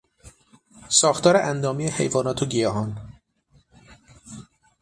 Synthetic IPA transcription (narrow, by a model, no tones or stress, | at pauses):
sɒːxt̪ʰɒːɾeʔænd̪ɒːmijehe̞̰jvɒːnɒːt̪ʰoɟijɒːɦɒn